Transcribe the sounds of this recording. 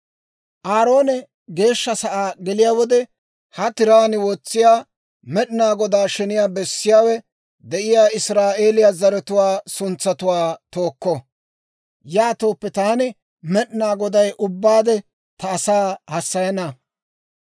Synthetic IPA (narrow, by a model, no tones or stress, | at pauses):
ʔaːɾo̞ːnɛ | ɡe̞ːʃːɐsɐʔaːɡɛlɪjaːwɔd̪ɛ | hɐt̪ɪɾaːnɪwɔt͡sːɪjaː | mɛɗɪnaːɡɔd̪aːʃɛnɪjaːbɛsːɪjaːwɛ | d̪ɛʔɪjaːɪsɾaːʔe̞ːlɪjaːzɐɾɛt̪ʊwaːsʊnt͡sːɐt̪ʊwaːt̪oːkːɔ | jaːt̪oːpːɛt̪aːnɪ | mɛɗɪnaːɡɔd̪ɐjʔʊbːaːd̪ɛ | t̪ɐːsaːhɐsːɐjɐnɐ